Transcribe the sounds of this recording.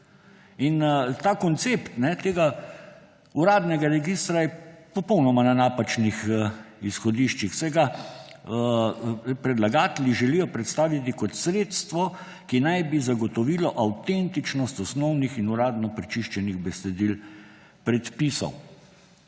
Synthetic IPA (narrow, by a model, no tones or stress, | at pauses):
int̪aːkɔnt̪sept̪nɛt̪eːɡa | uɾaːd̪nɛɡaɾɛɡist̪ɾajɛpɔpɔwnɔmananaːpat͡ʃnixisxɔd̪iʃt͡ʃixsɛjɡa | pɾɛd̪laɡaːt̪ɛlʲiʒɛlijɔpɾɛt̪st̪aːʋjit̪ikɔt̪sɾeːt̪st̪ʋɔ | kinajbizaɡɔt̪ɔʋiːlɔʔawt̪ent̪it͡ʃnɔst̪ɔsnɔwnixinuɾaːd̪nɔpɾɛt͡ʃiʃt͡ʃɛniɣbɛsɛd̪il | pɾɛt̪pisɔ̰w